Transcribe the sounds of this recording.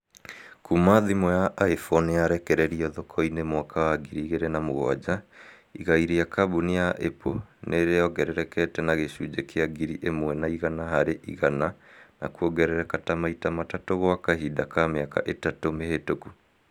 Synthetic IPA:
kumaðimɔjaʔaefɔnejaɾɛkɛɾɛɾiɔðokʰɔinemwakawaɡiɾiɣeɾɛnamoɣwa̰d͡ʑa | iɣaiɾijakabunijaʔeponeɾejɔɡɛɾɛɾɛkɛtɛnaɣeɕud͡ʑekʰeaɡiɾiʔemwɛnaiɣanaɦaɾeʔḭɣanana̰kuoɡɛɾɛɾɛkatamaitamatatoɣoakaɦidakameaka̰ʔetatomehetoku

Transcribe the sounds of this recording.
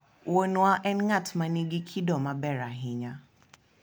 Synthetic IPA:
wonuaʔɛnŋatʰmaniɡikʰidɔmabɛɾaɦɪɲa

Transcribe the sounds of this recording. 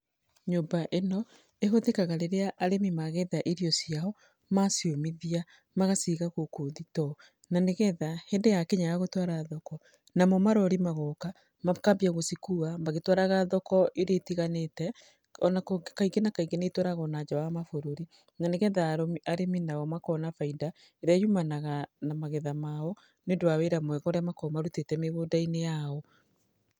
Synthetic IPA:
ɲombaʔenɔ | eɦoðekaɣaɾeɾeaʔaɾemimaɣɛðaʔiɾiɔsiaɔ | masjomiðia | maɣasiɣaɣokoðitɔ | naneɣɛðahɛndejakeɲajaɣotwaɾaðɔkɔ | namɔmaɾɔɾimaɣɔka | makambiaɣosikuamaɣetwaɾaɣaðɔkɔʔeɾeːtiɣanetɛ | ɔnakkaiɡenakaiɡenetwoɾaɣɔnad͡ʒawamafoɾoɾi | naneɣɛðaɾoaɾeminaɔmakɔnafaida | eɾajumanaɣanamaɣeðamaɔ | neondoaweɾamwɛɣɔɾamakɔmaɾutetɛmeβodainejaɔ

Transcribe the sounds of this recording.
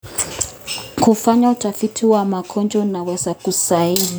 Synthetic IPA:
kufaɲautafitʰiwamakʰɔnd͡ʒɔnawɛzakusaili

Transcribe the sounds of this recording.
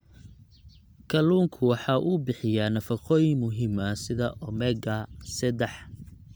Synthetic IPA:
kʰɐluːŋkʰʊwɑħɑʔubɪħɪjaːnɐfɑqɔːjɪŋmʊɦiːmɐsɪðɐʔɔmɛɡɐsɐd̪ɛħ

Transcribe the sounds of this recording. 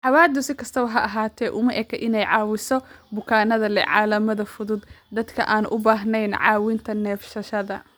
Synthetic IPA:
ʕɑwaːd̪ʊsɪkʰɐst̪ʰɐwɐɦɐʔɐɦaːt̪ʰɛːʔʊmɐʔɛkʰɛʔɪnɛjʕɑːwɪsɔbʊkʰaːnɐðɐlɛ̰ʕɑ̰ːlɐmɐðɐfʊðʊd̪d̪ɐd̪kʰɐ̰ʔaːnʔʊbaːɦnɛjnʕɑ̰ːwɪnt̪ʰɐnɛːfʃɐʃɐðɐ

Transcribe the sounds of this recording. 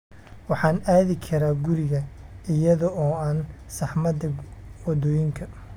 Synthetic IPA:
wɑħɑːnaːðɪkʰɐɾaːɡʊɾɪɣɐɪjɐðɔɔːaːn | sɑħmɐd̪ɐwɔd̪ɔːjɪŋkʰɐ

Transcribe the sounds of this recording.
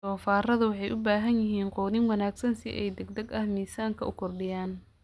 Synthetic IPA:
ɔːfaːrɐðɐwɑħɑjʔʊbaːɦɐnjɪɦiːnqɔːnɪŋwɑnaːɡsɐnsɪʔɛ̰jd̪ɛɡ̚d̪ɐɡɐhmiːsaːŋkʰɐʔʊkʰɔrɖɪjaːn

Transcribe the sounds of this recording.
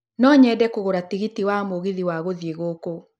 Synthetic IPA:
nɔːɲɛːdɛkoɣoɾatiɣitiwamoɣeðiwaɣoðjeɣoko

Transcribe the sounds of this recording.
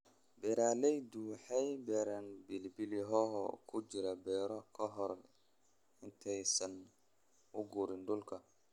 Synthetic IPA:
bɛːɾaːlɛjd̪uwħɛjbɛːɾanbɪlbɪlɪɦɔɦkʰʊt͡ʃɪɾɐbɛːɾɔkʰɐɦɔr | ɪnt̪ʰɛjsɐn | ʊɡuːɾɪnɖʊlkʰɐ

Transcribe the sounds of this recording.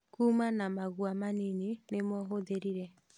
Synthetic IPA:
kuːmanamaɣwamanininemɔɦoðeɾiɾɛ

